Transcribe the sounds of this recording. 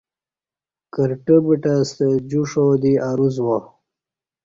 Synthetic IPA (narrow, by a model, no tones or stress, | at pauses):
kəɾʈəbiʈast̪əd͡ʑuʂod̪iʔaɾuzwa